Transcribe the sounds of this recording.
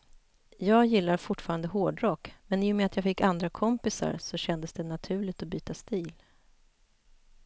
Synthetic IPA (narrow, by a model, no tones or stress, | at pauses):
jɑːɡjɪlːaɾfʊʈːfɑːɾand̪əɦoːɖɾɔkmɛnɪːjɔmɛat̪ʰjɑːfɪkːand̪ɾakʰɔmpɪsa̰ɾsɔɕɛnd̪əsd̪ɛnat̪ʰʉ̟ːɭɪɡ̚t̪ɔbyːt̪ast̪iːl